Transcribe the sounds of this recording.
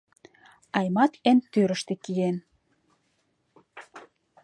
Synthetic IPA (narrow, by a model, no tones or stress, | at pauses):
ɑjmɑt̪ent̪øɾəʃt̪ĕkijen